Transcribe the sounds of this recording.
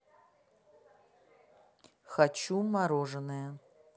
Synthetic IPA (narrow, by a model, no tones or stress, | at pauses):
xat͡ʃumaɾoʐɨnɨjɐ